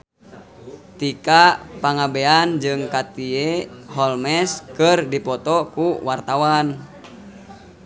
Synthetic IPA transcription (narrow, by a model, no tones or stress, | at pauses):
t̪ikapaŋabeand͡ʒɨŋkat̪ieɦɔlmɛskərdipɔt̪ɔkuwart̪awan